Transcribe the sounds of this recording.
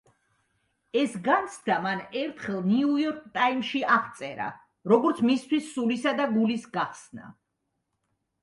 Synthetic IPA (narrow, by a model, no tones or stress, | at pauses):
ɛsɡant̪sʰd̪amanɛɾt̪ʰχɛlˠniujɔɾk̚ʰt̪ʼaimʃiʔaʁt̪sʼɛɾa̰ | ɾɔɡɔɾt̪sʰmist̪ʰwisːulisad̪aɡulisɡaχsna̰